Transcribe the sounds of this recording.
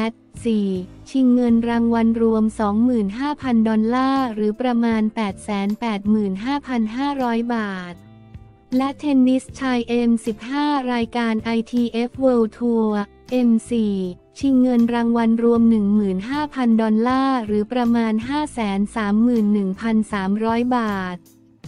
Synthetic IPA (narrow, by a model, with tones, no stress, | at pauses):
ʔɛ˦˥t̪̚siː˨˩ | t͡ɕʰi˧ŋːɤ˧nɾaː˧ŋwa˧nɾu˧əmsɔː˩˦ŋmɯː˨˩nɦaː˥˩pʰa˧ndɔ˧nlaː˥˩ɾɯː˩˦pɾa˧maː˧npɛː˨˩t̪̚sɛː˩˦npɛː˨˩t̪̚mɯː˨˩nɦaː˥˩pʰa˧nɦaː˥˩ɾɔː˦˥jbaː˨˩t̪̚ | lɛ˦˥ʔt̪ʰe˧nːi˦˥st͡ɕʰa˧jʔe˧msi˨˩p̚haː˥˩ɾaː˧jkaː˧nʔa˧jt̪ʰiː˧ʔe˦˥p̚weː˧wt̪ʰu˧ | ʔe˧msiː˨˩ | t͡ɕʰi˧ŋːɤ˧nɾaː˧ŋwa˧nɾu˧əmnɯ˨˩ŋmɯː˨˩nɦaː˥˩pʰa˧ndɔ˧nlaː˥˩ɾɯː˩˦pɾa˧maː˧nɦaː˥˩sɛː˩˦nsaː˩˦mːɯː˨˩nːɯ˨˩ŋpʰa˧nsaː˩˦mɾɔː˦˥jbaː˨˩t̪̚